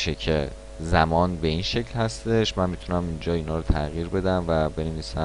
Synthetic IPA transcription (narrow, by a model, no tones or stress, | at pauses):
ʃecʰe | zæmɒːnbe̞inʃe̞cʰlhæst̪e̞ʃmænmit̪ʰunæmind͡ʒɒːiːnɒːɾot̪ʰæɣiːɾbe̞d̪æmvæbe̞neviːsæ